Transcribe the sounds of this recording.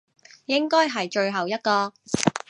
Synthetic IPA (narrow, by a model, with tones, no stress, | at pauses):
jɪ˥ŋkɔː˥jɦɐ˨jt͡ʃɵ˧ɥɦɐ˨wjɐ˥t̚kɔː˧